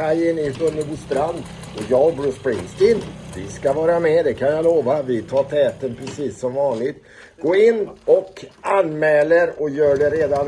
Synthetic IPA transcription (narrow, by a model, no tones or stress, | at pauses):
ajənɪbɵnːəbʊst̪ɾand̪ | ɔjɑːɡbɾuspɾɪŋst̪ɪnvɪ̰skavɑːɾamɛd̪ɛkʰanjaloːvavɪt̪ʰɑːʈʰɛːt̪ənpʰɾɛsiːsːɔmvɑːnlɪt̪ | ɡ̥oːɪnːɔkanːmɛːləɾɔjœːɖɛɾeːd̪an